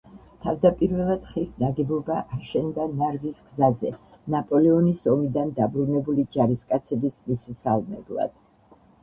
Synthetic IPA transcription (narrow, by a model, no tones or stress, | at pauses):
t̪ʰavd̪apʼiɾvɛlˠad̪̥χisnaɡɛbɔbaʔːɾʃɛnd̪anaɾvisɡzazɛ̰ | napʼɔlɛɔnisɔmid̪and̪abɾunɛbulid͡ʒaɾiskʼat̪sʰɛbismissalˠmɛ̰blˠa̰d̪̥